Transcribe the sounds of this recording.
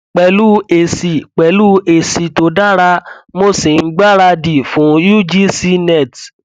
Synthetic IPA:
k͡pɛ˧lu˦e˨si˨k͡pɛ˨lu˦e˨si˨to˧˦da˦˨ɾa˧mo˦si˨n̩˦ɡ͡ba˦˨ɾa˧di˨fũ˨˦ju˦d͡ʒi˦si˦nɛ˦˨t

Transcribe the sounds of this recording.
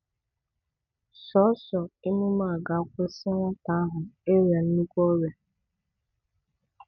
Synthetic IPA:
sɔ˨˦sɔ˨ɪ˦mu˦ma˦˨ɡa˨˦kʷʊ˦sɪ˦ŋʷa˦ta˨a˦ɦʊ˨e˦ɾja˨n̩˦nu˦kʷo˦ɾja˨

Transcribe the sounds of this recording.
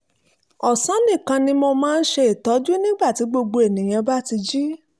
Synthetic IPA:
ɔ˨sã˨˦nĩ˦˨kã˧nĩ˧mo˧mãː˦˧n̩˦ʃe˧i˨tɔ˨˦d͡ʒu˦nĩ˦ɡ͡ba˦˨ti˨˦ɡ͡bo˧ɡ͡bo˧e˨nĩ˨j̃ã˧ba˦ti˧d͡ʒi˦

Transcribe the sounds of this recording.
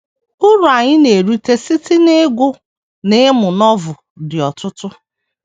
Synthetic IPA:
ʊ˦ɾʊ˨a˨ɲɪ˦ne˨ɾu˦te˦si˦ti˦ne˦ɡʊ˦ | ne˦mʊ˨nɔ˦vʊ˨ | dɪ˨ɔ˨tʊ˦tʊ˦

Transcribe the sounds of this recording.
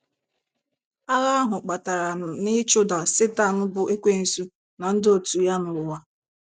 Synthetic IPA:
a˦ɣa˦a˦ɦʊ˨k͡pa˨ta˨ɾa˨nɪ˦t͡ʃʊ˦da˨sɪ˦ta˦˨n̩˦bʊ˨ʔe˦kʷe˦n̩˨su˦ | na˨n̩˦do˨tu˨ja˦nʊ˨ɾʊ˨wa˦

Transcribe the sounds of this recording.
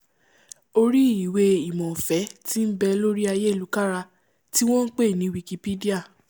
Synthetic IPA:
o˧ɾi˦i˨we˧i˨mɔ̃˨fɛ˨˦ti˦n̩˦bɛ˧lo˦ɾi˦a˧je˦˨lu˨˦ka˦ɾa˧ | ti˦w̃ɔ̃˦n̩˦k͡pe˦˨nĩ˨˦wi˧ki˧pe˦di˦a˦˨

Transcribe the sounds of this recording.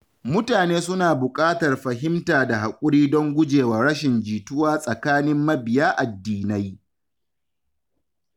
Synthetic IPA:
mʊ˦taː˨neː˦sʊ˦naː˨bʊ˨kʼaː˦tɐ˨rɸɐ˨ɦɪ˦mtaː˨da˨ɦa˨kʷʼʊ˦ɽiː˦dɔ˦ŋɡʷʊ˦d͡ʒeː˨waː˨ɾɐ˦ʃɪ˨nd͡ʒiː˨tʊ˦waː˦sʼɐ˨kaː˦nɪ˦mːɐ˦bɪ˨jaː˦ʔa˨dːiː˦na˦j

